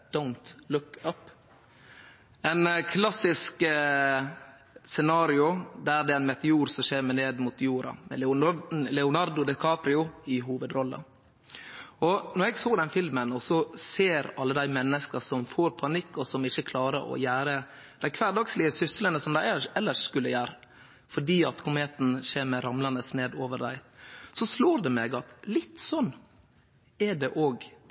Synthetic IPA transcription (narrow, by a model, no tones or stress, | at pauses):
d̪̥aʊnt̪lʊkːɑpː | ɛnkʰlɑsɪsk | sɛnɑːɾɪʊd̪æɾd̪ɛɛnmɛt̪ɛuːɾsɔmʃeːɾməneːd̪mʊt̪juːɾɑ̰mɛ̰ | lɛʊnɑɾd̪ʊd̪ɛkʰɑːpɾɪʊɪɦuːʋəd̪ɾɔlːə̰ | ɔnɔɾɛɡsoːd̪ɛnfɪlmənɔsɔseːɾɑlːəd̪æɪmɛnːəskəsɔmfoːɾpʰɑnɪkːɔsɔmɪçːəkʰlɑːɾə̰ɾɔ̰jæːɾə | d̪̥æɪkʰʋæːd̪ɑkslɪəsʏsələnəsɔmd̪æɪɛɛlːəʂːkʉlːəjæːɾ | fɔɖiːɑt̪kʰʊmeːt̪n̩ʃeːɾməɾɑmlɑnəsneːd̪oːʋəɾd̪æɪsɔsloːɾd̪ɛmeːɡɑt̪lɪt̪ːsɔnː | ɛɖɛʔoːɡ